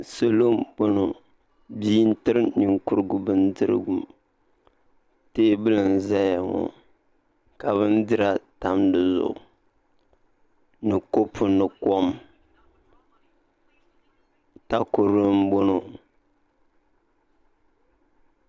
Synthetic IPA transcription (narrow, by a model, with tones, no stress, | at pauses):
so˨lo˦mbo˦no˨ | biː˦n˦tɨ˦ɾɨ˦ni˨ŋkʊ˦ɾɨ˦ɡʊ˨bɨ˦n˦dɨ˦ɾɨ̰˦ɡu˨m | teː˦bɨ˦lɨ˨n˨za˦ja˨ŋɔ̰˨ | ka˨βɨ˦ndɨ˦ɾa˦ta˦mdɨ˨zʊ̰˨ʔʊ˨ | nɨ˨ko˦pʰʊ˦nɨ˨ko˦m | ta˦ko˨ɾo˦mbo˦no˨